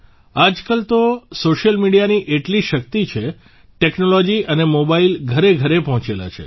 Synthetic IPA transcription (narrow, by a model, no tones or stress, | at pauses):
ad͡ʒkəlt̪osoʃəlmiɽijaniʔeʈliʃək̚t̪it͡ʃʰe | ʈeknolod͡ʒiʔənemobailɡʱəɾeɡʱəɾepɔɦɔ̃t͡ʃela̰t͡ʃʰḛ